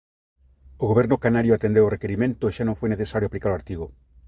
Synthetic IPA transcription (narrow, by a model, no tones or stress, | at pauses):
oɣoβɛɾnokanaɾjoat̪end̪eworekeɾimẽnt̪oeʃanõŋfojneθesaɾjoaplikaɾoaɾt̪iɣo